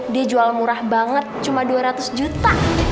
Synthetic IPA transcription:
diad͡ʒualmuɾahbaŋət̪̚t͡ʃumaduaɾat̪ʊsd͡ʒut̪a

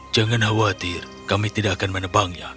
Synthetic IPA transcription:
d͡ʒaŋanɦawat̪ɪr | kamit̪idaʔakanmənəbaŋja

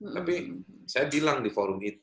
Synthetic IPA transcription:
t̪apisajabilaŋdifoɾʊmit̪

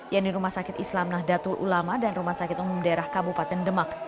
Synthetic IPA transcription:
janiɾumahsakɪt̪islamnahdat̪ulʔṵlamadanrumahsakɪt̪̚umumdaeɾahkabupat̪ɛndəmak

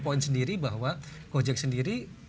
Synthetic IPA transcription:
pɔɪnsəndiɾibaɦwakod͡ʒɛk̚səndiɾi

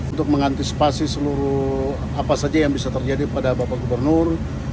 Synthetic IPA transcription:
unt̪ʊk̚məŋant̪isi̥pasisəluɾu | apasad͡ʒajaŋbisat̪ərd͡ʒadipadabapaɡubərnʊr

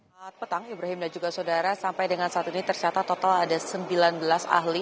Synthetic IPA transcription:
at̪̚pət̪aŋibɾaɦɪmdand͡ʒuɡasodaɾasampajdəŋansaːt̪init̪ərt͡ʃat̪at̪ːot̪aladasəmbilanbəlasa̰hli

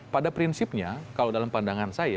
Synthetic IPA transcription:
padapɾinsɪp̚ɲakalowdalampandaŋansaja

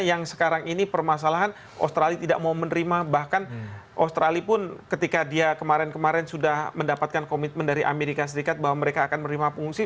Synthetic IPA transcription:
jaŋsə̥kaɾaŋinipərmas̬alaɦan | ʔo̰st̪ɾalit̪ida̰ʔ̚maumənəɾimabahkanʔost̪ɾalipʊnkət̪ikadiakəmaɾɛnkəmaɾɛnsudahməndapat̪̚kankomit̪̚məndaɾiʔa̰meɾikas̬əɾikat̪̚baɦwaməɾekaːkanmənɾimapuŋsi

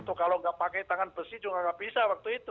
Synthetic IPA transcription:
nt̪ʊkːaloŋɡaʔpakɛjt̪aŋanbəsid͡ʒuŋaŋɡabisawak̚t̪uit̪u

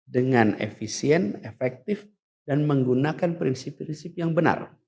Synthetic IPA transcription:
dəŋanḛfisiɛnefɛk̚t̪ɪf | danməŋɡunakanpɾinsipɾinsip̚jaŋbəna̰r

